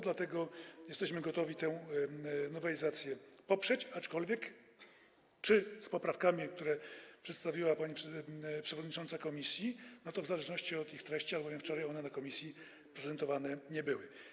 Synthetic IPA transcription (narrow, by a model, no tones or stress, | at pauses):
d̪lat̪ɛɡɔjɛst̪ɛɕmɘɡɔt̪ɔvʲit̪ɛw̃ | nɔvɛlʲizat̪sʲjɛpɔpʂɛt͡ɕat͡ʂkɔlvʲjɛk | t͡ʂɘspɔpɾafkamʲikt̪uɾɛpʂɛt̪st̪avʲiwapaɲipʂpʂɛvɔd̪ɲit͡ʂɔnt̪sakɔmʲisʲjinɔt̪ɔvzalɛʐnɔɕt͡ɕiɔt̪ixt̪ɾɛɕt͡ɕialbɔvʲɛft͡ʂɔɾajɔnɛnakɔmʲisʲji | pɾɛzɛnt̪ɔvanɛɲɛbɘwɘ